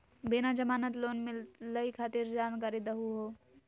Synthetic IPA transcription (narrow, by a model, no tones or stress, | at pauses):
beːnad͡ʒəmaːnət̪loːnmɪləikʰaːt̪ɪɾd͡ʒaːnkaːɾid̪əɦuɦoː